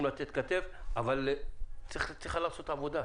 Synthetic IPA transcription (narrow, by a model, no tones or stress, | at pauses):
mlat̪et̪̚kat̪evavalt͡st͡siχalaʁso̞t̪avo̞d̪a